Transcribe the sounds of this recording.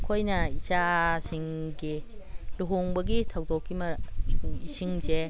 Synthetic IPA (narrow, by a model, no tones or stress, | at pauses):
kʰojnɐisasiŋɡiloɦoŋbɐɡitʰawdɔkːimɐ | isiŋze